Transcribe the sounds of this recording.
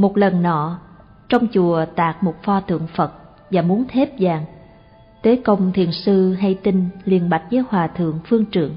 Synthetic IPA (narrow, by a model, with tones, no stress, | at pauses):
mo˨˩t̚lə˨˩nːɔ̰˧˨ | t͡ɕɔ˧wŋ͡mt͡ɕu˨˩ət̪aː˨˩k̚mo˨˩t̚fɔ˧t̪ʰɨ̰˧˨əŋfə˨˩t̚ | vaː˨˩mu˨˦ənt̪ʰe˦˥p̚zaː˨˩ŋ | t̪e˨˦kə˧wŋ͡mt̪ʰḭ˧˨ənsɨ˧ɦa˧jt̪i˧ŋ̟li˧˨˩ənɓa˨˩jk̟̚zəː˨˦jhwaː˨˩t̪ʰɨ̰˧˨əŋfɨ˧əŋt͡ɕɨ̰˧˨əŋ